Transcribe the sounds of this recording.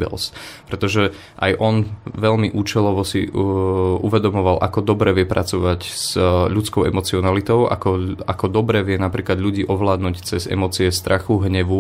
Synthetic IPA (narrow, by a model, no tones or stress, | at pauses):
bɛ̰lspɾɛt̪ɔʒɛ | ʔa̰jʔɔnʋɛʎmiʔuːt͡ʃɛlɔʋɔsḭ | ʔuʋɛd̪ɔmɔʋalʔa̰kɔd̪ɔbɾɛʋɪɛpɾa̰t͡sɔʋacz̥ʎut͡skɔʊɛ̰mɔt͡siɔnalit̪ɔʊʔa̰kɔakɔd̪ɔbɾɛːʋɪɛnapɾiːklad̪ʎuɟiːʔɔʋlaːd̪nuːct͡sɛzɛ̰mɔt͡siɛst̪ɾʔaxuɦɲɛʋu